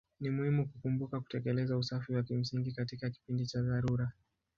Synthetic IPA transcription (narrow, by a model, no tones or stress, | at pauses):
nimuhimukukumbukaku̥tɛkɛlɛzausafiwakim̩siŋɡikatikaki̥pindit͡ʃaðaɾuɾa